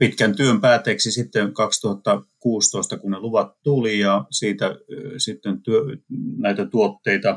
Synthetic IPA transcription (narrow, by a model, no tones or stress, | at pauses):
pit̪kænt̪yømpæːt̪eːksisit̪ːeŋkɑkst̪uhɑt̪ːɑkuːst̪oist̪ɑkunneluʋɑt̪t̪ulijɑsiːt̪æsit̪ːent̪yønæit̪æt̪uot̪ːeit̪ɑ